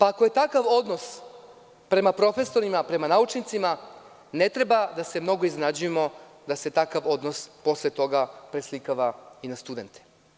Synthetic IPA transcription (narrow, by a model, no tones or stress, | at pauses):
paːkoje̞t̪akaʋo̞d̪no̞s | pɾe̞mapɾo̞fe̞so̞ɾimapɾe̞manaut͡ʃnit̪sima | net̪ɾe̞bad̪ase̞mno̞ɡoiznenad͡ʑuje̞mo̞d̪ase̞t̪akaʋo̞d̪nospo̞slet̪o̞ɡapɾe̞slikaʋainast̪ud̪e̞nt̪e̥